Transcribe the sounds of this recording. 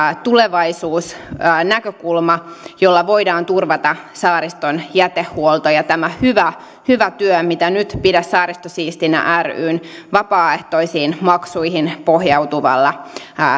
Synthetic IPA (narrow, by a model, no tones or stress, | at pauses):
t̪uleʋɑisuːsːnækøkulmɑjolːɑʋo̞idɑːnt̪urʋɑt̪ɑsɑːɾist̪onjæt̪ehːuolt̪ojɑt̪æmæhyʋæ | hyʋæt̪yømit̪ænyt̪pidæssɑːɾist̪osiːst̪inæ̰ʔæry̰ːnʋɑpɑːeht̪oisiːnmɑksuihinpohjɑut̪uʋɑ̰lːɑ